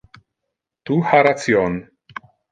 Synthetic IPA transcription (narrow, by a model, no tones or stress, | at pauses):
t̪uhaɾat͡sjon